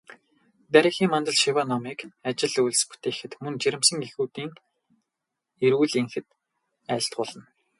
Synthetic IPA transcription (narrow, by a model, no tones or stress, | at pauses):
t̪æɾʲĭːxiːŋmant̪ə̆ɮʃiwanɔmiːkat͡ɕɪ̆ɮujɮspu̥t̪eːxɘ̆t̪mɵnt͡ɕiɾʲɪ̆msə̆ŋexuːt̪iːŋ | eɾuːɮiŋxɘ̆t̪̚ | æːɬt̪̚ɢʊːɮə̆n